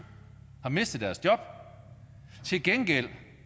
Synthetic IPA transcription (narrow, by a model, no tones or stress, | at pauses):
hɑ̈me̝sd̥ð̩ˠd̥æɐsd̥jɒ̽b̥ | t͡sʰe̝lɡ̥enɡ̥el̰